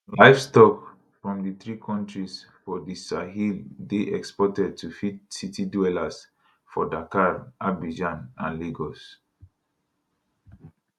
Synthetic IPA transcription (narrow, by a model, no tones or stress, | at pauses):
laɪfstɔk | fɹɔ̃mdiθɹikʰɔ̃ntɹis | fɔdisaɦildeʔɛkspɔtɛd̚tʰufitsitidwɛlas | fɔdakaɹʔabid͡ʒãnãnleɡɔs